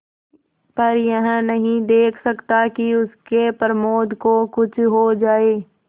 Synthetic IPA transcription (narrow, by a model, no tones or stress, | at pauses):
pɐɾjɐɦə̃nɐɦĩd̪eːkʰsɐkt̪akiʊskepɾəmoːd̪ʱkokʊt͡ʃʰɦod͡ʒaːeː